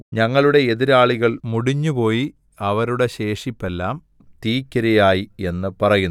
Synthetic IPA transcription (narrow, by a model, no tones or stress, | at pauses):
ɲɐŋːɐɭuɽe̞eðiɾaːɭiɣɐɭmuɽiɲːupo̞ːji | ɐʋɐɾuɽe̞ɕe̞ːʂipːe̞lːaːm | t̪iːkʲːɐɾɐjaːjie̞nːɨpɐrɐjunː